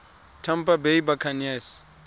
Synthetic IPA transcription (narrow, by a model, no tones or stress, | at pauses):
tʰam̩pabeibakʰanɛs